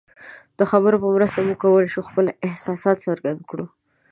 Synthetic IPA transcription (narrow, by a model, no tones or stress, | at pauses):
d̪̥əxabəɾopəmɾəst̪amuɡ̚kawəlaʃuxpəlɪhsɑsɑt̪səɾɡand̪̚kɽu